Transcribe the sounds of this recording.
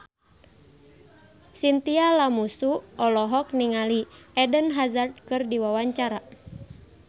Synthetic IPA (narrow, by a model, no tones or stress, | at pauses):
sint̪ialamusuɔlɔɦɔk̚niŋaliɛdənɦazart̪̚kɨrdiwawaɲt͡ʃaɾa